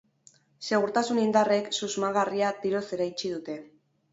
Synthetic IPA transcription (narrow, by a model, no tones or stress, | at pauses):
se̞ɣuɾt̪asunind̪are̞ksuzmaɣariat̪iɾose̞ɾajt͡ʃiðut̪e̞